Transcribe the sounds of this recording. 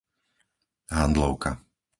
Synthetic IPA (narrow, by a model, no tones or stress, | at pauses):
ɦand̪lɔʊka